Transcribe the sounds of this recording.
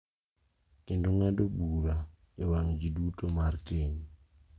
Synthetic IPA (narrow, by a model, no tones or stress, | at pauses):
kendoŋadobuɾa | ewaŋd͡ʒidutomarkeɲ